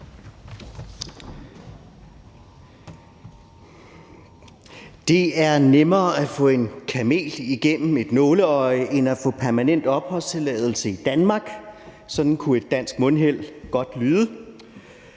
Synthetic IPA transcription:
d̥e̝æɐnemɐːæfɔ̰̽ːe̝nkʰæme̝̰ːliɡ̥en̰m̩e̝d̥nɔːləɒ̽ɪʔe̝næfɔ̰̽pʰæɐmænen̰d̥ɒ̽b̥hɒ̽st͡sʰe̝lɛːð̞ˠl̩səid̥ænmɑ̈ːɡ̥ | sɒ̽d̥n̩kʰue̝d̥ːæn̰sɡ̥mɔ̽nɦel̰ɡ̥ɒ̽d̥lyːðˠə

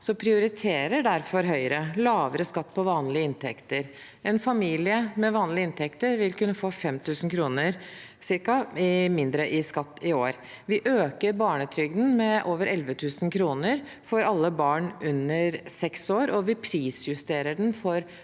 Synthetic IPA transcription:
sɔpʰɾɪʊɾɪt̪ʰeːɾəɖæɾfɔɾɦœʏɾəlɑːʋəɾəskɑt̪ːpʰɔʋɑːnlɪəɪnt̪ʰɛkt̪əɾ | ɛnfɑmiːlɪəmɛʋɑːnlɪəɪnt̪ʰɛkt̪əɾʋɪlkʉnːəfoːfɛmt̪ʰʉːsn̩kʰɾuːnəɾsɪɾkɑɪmɪnd̪ɾəʔɪskɑt̪ːɪoːɾ | ʋɪʔøːkəɾbɑːɳət̪ʰɾʏɡd̪n̩mɛʔoːʋəɾɛlʋət̪ʰʉːsn̩kʰɾuːnəɾ | fɔɾɑlːəbɑːɳʔʉnːəɾsɛksoːɾɔʋɪpʰɾiːsjʉst̪eːɾəɖnfɔɾ

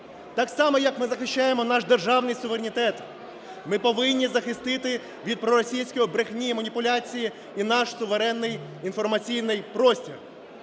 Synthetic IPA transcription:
t̪ɑksɑmɔjɐkmɪzɐxɪʃt͡ʃːajemɔnɑʃd̪erʒɑwnɪjsʊʋeɾenʲit̪ɛt̪ | mɪpɔʋɪnʲːizɐxɪst̪ɪt̪ɪ | ʋʲid̪̚pɾɔɾɔsʲijsʲkɔjibɾɪxnʲimɐnʲipʊlʲɑt͡sʲiji | inɑʃsʊʋeɾɛnːɪj | infɔrmɐt͡sʲijnɪjpɾɔsʲtʲir

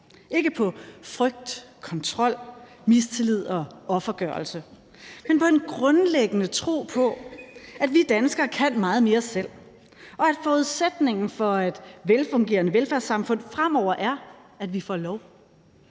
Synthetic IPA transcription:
ʔe̝ɡ̥əpʰɒ̽fʁœɡ̥̚d̥kʰɒ̽nt͡sʰʁɒ̽l̰ | mist͡sʰe̝lið̞̰ˠɒ̽ɒ̽fɐɡ̥ɶːɐlsə | menpʰɒ̽e̝nɡ̥ʁɔ̽nleɡ̥ənət͡sʰʁo̝̰ːpʰɒ̽ædʋid̥ænsɡ̥ɐkʰæn̰mɑ̈ːð̞̩ˠme̝ːɐsel̰ | ʔɒ̽æd̥fɒuð̞ˠsed̥ne̝ŋn̩fɒ̽e̝d̥ʋelfɔ̽ŋɡ̥e̝̰ːɐnəʋelfæɐsɑ̈mfɔ̽n̰fʁam̰ɒʊ̰ɐʔæɐ | æd̥ʋifɒ̰ːlɒʊ

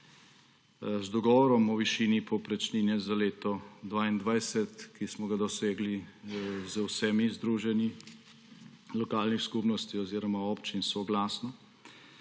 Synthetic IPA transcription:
zd̪ɔɡɔʋɔɾɔmɔʋiʃiːnipʰɔpɾɛt͡ʃniːnjɛzaleːt̪ɔd̪ʋaːind̪ʋajsɛt̪kismɔɡad̪ɔseːɡli | zəwsɛmizd̪ɾuːʒɛni | lɔkaːlnixskupnɔst̪iɔziːɾɔmaɔpt͡ʃinsɔɡlasnɔ

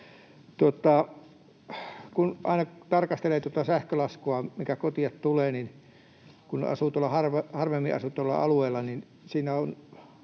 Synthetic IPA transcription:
t̪uot̪ɑ | kunʔɑ̰inɑt̪ɑrkɑst̪eleːt̪ŭŏt̪ɑsæhkølɑskuɑmiŋkækot̪iɑt̪t̪uleːnin | kunɑ̰suːt̪uolːɑhɑrʋehɑrʋemːiʔɑ̰sut̪olːɑ̰ʔɑ̰lueːlːɑnin | siːnæon

